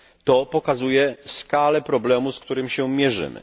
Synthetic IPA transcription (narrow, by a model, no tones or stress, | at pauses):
t̪ɔpɔkazujɛskalɛpɾɔblɛmuskt̪uɾɘmʲɕɛmʲjɛʐɘ̰mɘ̰